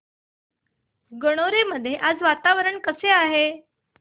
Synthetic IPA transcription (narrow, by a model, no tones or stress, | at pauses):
ɡəɽ̃oɾeməd̪ʱːjeʔad͡zʋat̪aʋəɾəɳkəseaɦe